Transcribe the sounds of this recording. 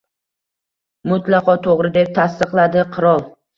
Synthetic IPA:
mʊt̪ʰlˠɑqɒt̪ʰoʁɾɪd̪e̞p̚t̪ʰast̪ɨqlˠad̪ɪqʰɨɾɒlˠ

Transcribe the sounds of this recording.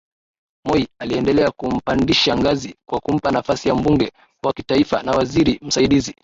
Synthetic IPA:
mɔialiɛndɛlɛakum̩pandiʃaŋɡazikwakum̩panafasijam̩buŋɡɛ | waki̥taifa̰nawaziɾim̩saiɗizi

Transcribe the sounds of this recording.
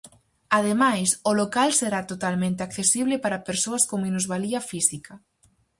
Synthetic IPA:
aðemajsolokalseɾat̪ot̪almẽnt̪eakθesiβlɪpaɾɐpeɾsoɐskoŋminuzβaliɐfisikɐ

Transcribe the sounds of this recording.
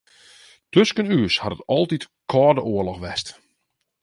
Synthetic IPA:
tøskənyəshadətɔlˠtit | kʰɔːdəʔoəlɔxʋɛst

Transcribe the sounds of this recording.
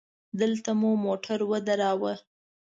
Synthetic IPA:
d̪əlt̪amumoʈʰaɾwəd̪aɾɑwə

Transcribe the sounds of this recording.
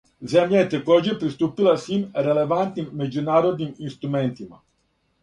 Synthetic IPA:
zɛmjaet̪ekɔd͡ʒepɾist̪upilasʋimɾelevant̪nimːed͡ʒunaːɾod̪niminst̪ɾumɛnt̪ima̰

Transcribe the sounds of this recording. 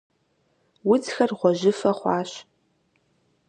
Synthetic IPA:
wʊt͡sxɐrʁʷɔʑɪfɐχʷɑːɕ

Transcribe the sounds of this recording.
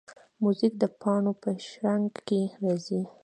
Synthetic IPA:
muzik̚d̪əpʰɑɳopəʃɾaŋɡkeɾɑzi

